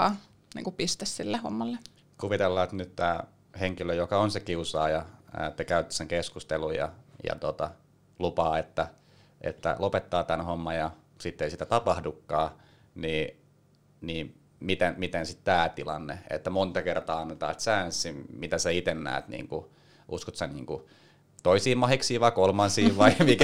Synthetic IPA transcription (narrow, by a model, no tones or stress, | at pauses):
nḭŋkupist̪essilːeho̰mːɑlːe | kuʋit̪elːɑːt̪nyt̪t̪æː | heŋkiløjokɑonsekiusɑːjɑt̪ːækæyt̪ːi̥seŋkeskust̪elujjɑ̰jɑ̰t̪ot̪ɑ | lupɑːet̪ːæ | ʔḛt̪ːæ̰lopet̪ːɑːt̪ænhomːɑjɑ | sit̪ːeisit̪æt̪ɑpɑhdukːɑː | niː | niː | mit̪enmit̪ensit̪t̪æːt̪ilɑ̰nːḛḛt̪ːæmont̪ɑkert̪ɑːɑnːet̪ɑ̰ːt̪sæːnsːimit̪æsæit̪enːæ̰ːt̪nḭːŋku | ʔṵskot̪sænḭːŋku | t̪oisiːmmɑhiksiːʋʋɑikolmɑnsiːʋʋɑimikæ